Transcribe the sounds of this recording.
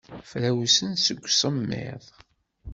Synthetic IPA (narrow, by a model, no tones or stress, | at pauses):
flæwsənsəɡʷːsˤəmːɪ̰ðˤ